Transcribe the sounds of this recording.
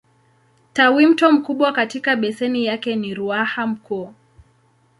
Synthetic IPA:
tawim̩tɔm̩kuɓwakatikaɓɛsɛnijakɛniɾuaham̩kɔː

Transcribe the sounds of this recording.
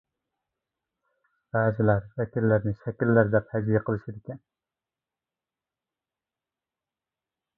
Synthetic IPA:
b̥æːzɪlæɾvɛkʲilːɪɾnɪʃɛkʲilːæɾd̪ɛphæd͡ʒ̪ijɛqʰəlˠɨʃid̪ɪkʲɛn

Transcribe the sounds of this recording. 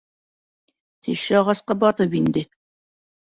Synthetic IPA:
t̪ʰɘ̆ʃɘɑʁɑsqɑbɒt̪ɤpind̪ɘ

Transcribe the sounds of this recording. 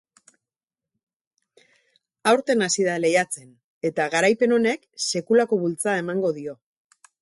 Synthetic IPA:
awɾt̪e̞nasiðale̞jat͡se̞n | e̞t̪aɣaɾajpe̞no̞ne̞kse̞kulako̞βult͡sae̞maŋɡo̞ðio̞

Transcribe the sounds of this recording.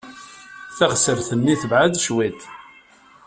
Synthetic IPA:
θæʁsəɾθənːiθəvʕad̪ʃwit̪

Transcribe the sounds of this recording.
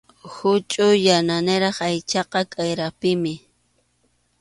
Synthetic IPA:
hʊt͡ʃʼʊjananɪɾɑχajt͡ʃɑqɑkʼajɾapɪmɪ

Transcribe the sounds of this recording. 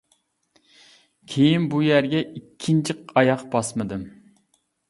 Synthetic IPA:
kʲʰejinbujæɾɡʲɛikʲʰːint͡ʃʰiqɑjɑqbɑsmɨd̪ɨm

